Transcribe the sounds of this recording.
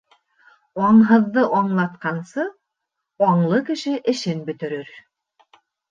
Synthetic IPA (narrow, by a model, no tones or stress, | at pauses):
wɑɴɦɤ̆ðːɤʔɑɴlˠɑt̪̚qɑnsɤ | ɑɴlˠɤkɘ̆ʃɘʔɘ̆ʃɘnbɵ̆t̪ɘ̆ɾɘɾ